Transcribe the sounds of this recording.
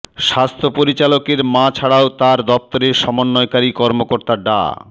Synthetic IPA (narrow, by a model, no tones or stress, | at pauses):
ʃast̪ʰopoɾit͡ɕalokeɾmãt͡ɕʰaɽaot̪aɾd̪ɔp̚t̪oɾeʃɔmonːɔekaɾikɔɾmokoɾt̪aɖa̰